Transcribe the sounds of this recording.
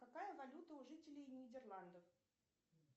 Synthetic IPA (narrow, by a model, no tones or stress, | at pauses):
kɐkajəvɐlʲut̪əʊʐɨtʲɪlʲɪjnʲɪdʲɪrlˠand̪əf